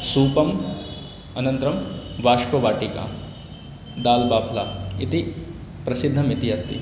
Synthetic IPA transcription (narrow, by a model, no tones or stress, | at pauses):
suːpɐm | ɐnɐnt̪ɾɐmʋaːʂpɐʋaːʈika̰ | d̪aːlbaːpʰla̰ːit̪i | pɾɐsid̪ʱːɐmit̪iɐst̪ḭ